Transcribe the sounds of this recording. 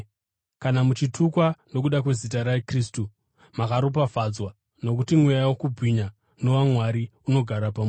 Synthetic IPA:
kanamut͡ʃitʰukwano̞k̬uɗak̬we̞zit̬aɾaekristu | makaɾop̬afad͡zwa | no̞k̬utimwejawokubʱwiɲa | no̞wamwaɾiuno̞ɡʱaɾapam

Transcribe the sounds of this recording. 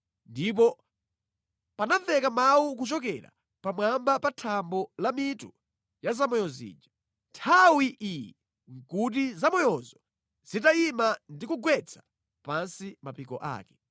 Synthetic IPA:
ndip̬ɔ | panavɛkamawuk̬ut͡ʃɔkɛ̰ɾa̰ | pamwambapatʰambɔlamitu | jazamɔjɔzḭːd͡ʒa | ntʰawiʔijɛ | ŋ̩kut̬izamɔjɔzɔ | z̥it̬aimandikuɡwɛt͡sʰḁ | pansimapikɔ̰ʔa̰ːkɛ̥

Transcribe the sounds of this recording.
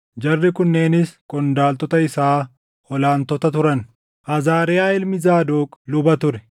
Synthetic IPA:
d͡ʒɐrːɪkʊnːe̞ːnɪskʼɔnd̪aːlt̪ɔt̪ɐɪsaː | hɔlaːnt̪ɔt̪ɐt̪ʊɾɐn | ʔɐzaːɾɪjaːɪlmɪzaːd̪oːkʼlʊbɐt̪ʊɾɛ

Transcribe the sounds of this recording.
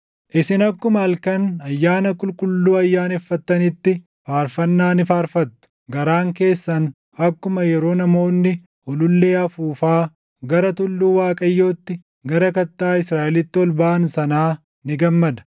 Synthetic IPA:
ʔɪsɪnɐkːʊmɐɐlkɐnɐjːaːnɐkʼʊlkʼʊlːuːɐjːaːnɛfːɐt̪ːɐnɪt̪ːɪ | faːɾfɐnːaːnɪfaːɾfɐt̪ːʊ̥ | ɡɐɾaːŋke̞ːsːɐn | ɐkːʊmɐjɛɾo̞ːnɐmo̞ːnːɪ | ɔlʊlːe̞ːɐfuːfaː | ɡɐɾɐt̪ʊlːuːwaːkʼɐjːo̞ːt̪ːɪ | ɡɐɾɐkɐt̪ːaːɪsɾaːʔɛlɪt̪ːɪɔlbaːɐnsɐnaː | nɪɡɐmːɐd̪ɐ̥

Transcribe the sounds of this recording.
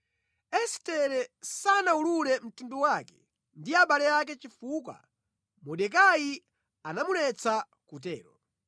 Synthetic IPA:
ɛstɛɾɛsanaululɛm̩tinduwakɛ̥ | ndiaɓalɛak̬ɛt͡ʃifuk̬wa̰ | mɔɗɛk̬aji | anamulɛt͡sʰa | kut̬ɛ̰ːɾɔ

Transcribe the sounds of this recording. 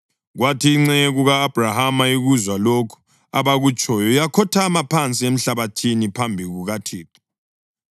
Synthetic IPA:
ɣwatʰiːŋ͡ǀɛɣuɣaːb̥ʱrahamaiɣuzwalokʰu̥ | a̰βaɣut͡ʃʼɔjɔjakʰɔtʰamapʰant͡sʼiem̩ɬaβatʰinipʰambʱiɣuɣatʰiːtʼɔ̥

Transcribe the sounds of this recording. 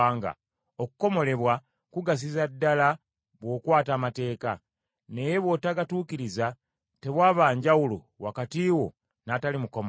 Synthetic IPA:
ŋɡa̰ | o̞ku̥ko̞mo̞le̞βwa | kuɡas̬izadːala | βwo̞ːkwaːtaːmate̞ːka | ne̞je̞βwo̞taɡatuːkiɾiza | te̞βwaːβaːɲɟawulṵ | wakatiːwo̰ | natalimukom

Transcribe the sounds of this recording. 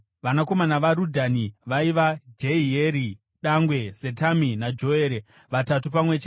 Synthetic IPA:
ʋanakomanaʋaɾudʱaniʋaiʋad͡ʒeieːɾi | ɗaŋɡwe̞setaminad͡ʒo̞eːɾe | ʋatatupamwe̞t͡ʃe

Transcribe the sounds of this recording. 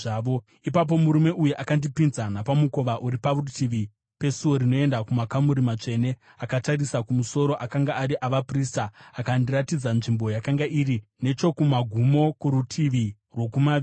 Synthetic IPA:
aːʋo | ipap̬o̞muɾume̞ʔujuʔakandipinzanapamuko̞ʋaʔuɾiparutʰiʋi | pe̞suwo̞ɾino̞e̞ndakumakamuɾimat͡ʂe̞ne̞ | akatarisakumuso̞ɾo̞ʔakaŋɡaaɾiʔaʋapristaːkandiratid͡zanʐimbo̞jakaŋɡaʔirine̞t͡ʃo̞kumaɡʱumo̞kuɾutʰiʋi | rwo̞kumai

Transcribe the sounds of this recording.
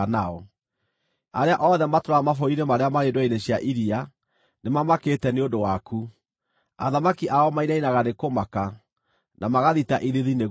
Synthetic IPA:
naɔ | aɾeaʔɔðɛmatoɾaamafɔiɾemaɾeamaɾendwaineɕjaʔiɾia | nemamaketɛneondowaku | a̰ðamakiʔaɔmainainaɣanekomaka | namaɣaðitaʔiðiðine

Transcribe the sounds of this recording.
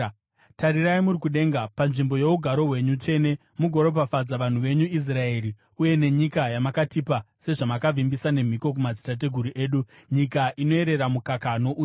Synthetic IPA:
taɾiraimuɾikuɗe̞ŋɡapanʐimbo̞je̞uɡʱaɾo̞ɦwe̞ɲut͡ʂe̞ne̞ | muɡʱoɾo̞pafad͡zaʋan̤uʋe̞ɲuis̬rae̞ɾi | uje̞ne̞ɲikajamakatipa | se̞ʐamakavimbisane̞m̤iko̞k̬umad͡zitat̬e̞ɡʱuɾuʔe̞ːɗuɲikaʔino̞e̞ɾe̞ɾamukakano̞ʔuː

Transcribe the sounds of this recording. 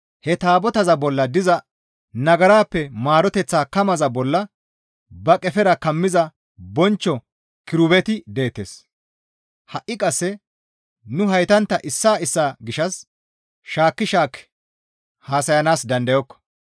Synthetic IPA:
hɛt̪aːbɔt̪ɐzɐbɔlːɐd̪ɪzɐ | nɐɡɐɾaːpːɛmaːɾɔt̪ɛt͡sːaːkɐmɐzɐbɔlːɐ | bɐkʼɛfɛɾɐkɐmːɪzɐ | bɔnt͡ʃːɔ | kɪɾʊbɛt̪ɪd̪e̞ːt̪ːeːs | hɐʔːɪkʼɐsːɛ | nʊɦɐjt̪ɐnt̪ːɐʔɪsːaːɪsːaːɡɪʃɐs | ʃaːkːɪʃaːkɛ̥ | haːsɐjɐnaːsd̪ɐnd̪ɐjɔkːɔ̥

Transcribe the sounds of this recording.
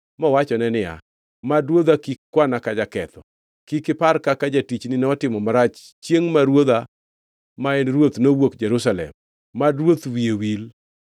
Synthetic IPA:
mɔwat͡ʃɔnɛnɪa̰ | madwod̪akikkːwanakad͡ʒakɛt̪ɔ | kikɪparkakad͡ʒatit͡ʃnɪnɛɔtɪmɔmaɾat͡ʃ | t͡ʃjeŋmaɾwod̪a | maenɾwot̪nowokd͡ʒɛɾusalɛ̰mː | adɾwot̪wiewil

